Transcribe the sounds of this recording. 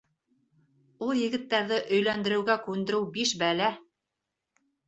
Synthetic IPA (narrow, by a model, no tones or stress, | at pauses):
ulˠjɘ̆ɡɘ̆t̪ːæɾðɘʔɵ̆jlænd̪ɘ̆ɾɘ̆wɡækʉnd̪ɘ̆ɾɘwbiʃbælæ